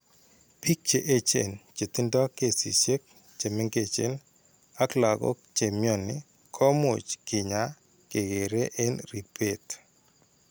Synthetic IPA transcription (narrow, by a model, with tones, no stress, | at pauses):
pi˦k̚t͡ʃe˨ʔe˦t͡ʃḛ˨nt͡ʃe˨t̪ɪ˦ndɔ˦ke˨sḭ˨ʃe˦k̚ | t͡ʃe˨mɪ˦ŋɡe˦˨t͡ʃḛ˦n | a˦kla˨ɡɔ̰˦k̚t͡ʃe˨mjo˦˨nɪ˨ | kʰɔ˦mʊ̰˨t͡ʃkɪ˨ɲa˨˦ | ke˨ɡe˨ɾe˦ʔe˦nɾi˨pʰe˦t